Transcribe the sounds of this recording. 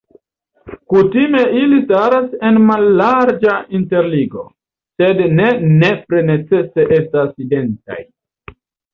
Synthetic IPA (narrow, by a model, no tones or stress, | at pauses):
kutime̞ilistaɾase̞nmalːaɾd͡ʒainte̞ɾliɡo̞̰ | se̞dne̞ne̞pɾene̞t͡se̞se̞ʔe̞staside̞nta̰j